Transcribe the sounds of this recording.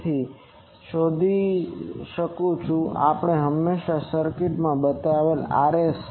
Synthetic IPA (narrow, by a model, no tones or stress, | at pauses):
t̪ʰi | ʃod̪ʱi | ʃəkũt͡ʃʰũa̰pɳ̃eɦəmːeʃasəɾkɪʈmãbət̪aaʋela̰ɾes